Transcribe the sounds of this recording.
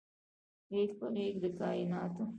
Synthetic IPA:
ɾeːkpəɾeːkd̪əkɑːɪnɑːt̪o

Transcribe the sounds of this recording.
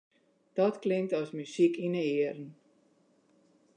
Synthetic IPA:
d̥ɔtklɪntɔsmysikinəɪəɾən̩

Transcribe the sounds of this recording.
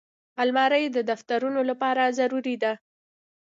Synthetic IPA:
almɑɾəjd̪əd̪aft̪aɾunolapɑɾazaɾuɾid̪a

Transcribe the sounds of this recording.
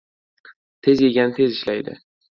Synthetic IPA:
t̪ʰe̞zje̞ɡʲanɪt̪ʰe̞zɪʃlajd̪ɪ̰

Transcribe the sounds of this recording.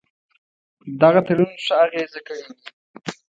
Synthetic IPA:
d̪aɣat̪aɽunʂəaɣezakawi

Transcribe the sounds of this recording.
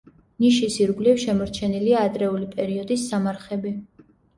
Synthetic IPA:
niʃisiɾɡlifʃɛmɔɾt͡ʃʰɛniliaːd̪ɾɛulipʼɛɾiɔd̪isːamaɾχɛbi

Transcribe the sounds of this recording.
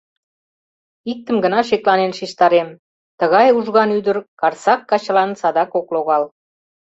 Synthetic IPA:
ik̚t̪əmɡənɑʃ̬ek̪̚lɑnenʃiʃt̪ɑɾem | t̪əɣɑjuʒɣɑnyd̪ə̆rkɑrsɑkːɑt͡ɕlɑnsɑd̪ɑkokloɣɑl

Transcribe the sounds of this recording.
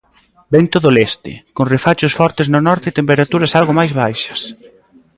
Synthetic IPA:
bent̪oðolest̪ɪ̰konrefat͡ʃʊsfɔɾt̪ɪznʊnɔɾt̪et̪empeɾat̪uɾɐsalɣomajzβajʃɐ̥s

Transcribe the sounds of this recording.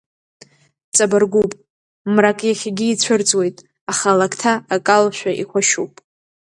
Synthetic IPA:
t͡sʼabarɡʷupʼ | mrakʼjaχʲaɡʲɪːt͡ɕʷʰʊrt͡sʼwe̞jtʼ | aχalakʰtʰaakʼalʃʷᶣaʔḭkʷaʃupʼ

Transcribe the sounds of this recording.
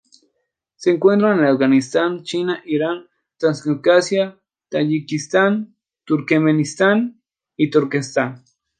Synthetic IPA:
seːŋkwent̪ɾanelafɣanist̪ant͡ʃinaʔiɾan | t̪ɾanskukasja | t̪ajikist̪an | t̪uɾkemenist̪an | it̪uɾkest̪an

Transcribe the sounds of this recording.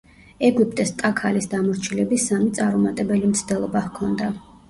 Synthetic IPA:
ɛɡup̚ʼt̪ʼɛst̪ʼakʰalisd̪amɔɾt͡ʃʰilɛbisamit̪sʼaɾɔmat̪ʼɛbɛlimt̪sʰd̪ɛlˠɔbahkʰɔnd̪a

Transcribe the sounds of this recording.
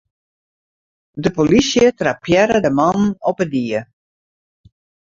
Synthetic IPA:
dəpolisjətrapjɛɾədəmɑnɔpədiə

